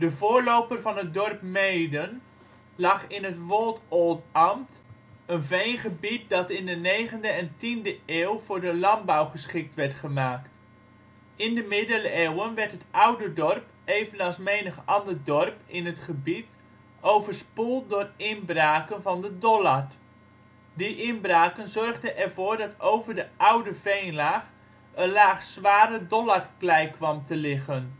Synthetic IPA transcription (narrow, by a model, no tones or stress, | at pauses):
dəvʊːɹlowpərvɑnɦət̚dɔrpmejdən | lɑχɪnətʋolˠtolˠtɑmt | ənvejnχəbit̚dɑtɪndənejχəndəɛntindəeːwvʊːɹdəlɑmbawχəsχɪk̚tʋɛɹtχəmaːkt | ɪndəmɪdələeːwənʋɛrtɦətawdədɔrp | ejvənɑlˠsmejnəχɑndərdɔrpɪnɦətχəbit | owvəɹspulˠtdʊːrɪnbraːkənvɑndədɔlaɹ | diʔɪnbraːkənzɔrχdənʔɛrvʊːɹdɑtowvəɹdəʔʌwdəvejnlaːχ | ənlaːχsʋaːɾədɔlarklɛjkʋɑmtəlɪχən